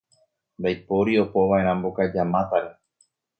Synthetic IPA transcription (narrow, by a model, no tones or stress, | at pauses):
mbajpo̞ɾio̞poʋae̞ɾ̃ãmbokad͡ʒamãt̪aɾe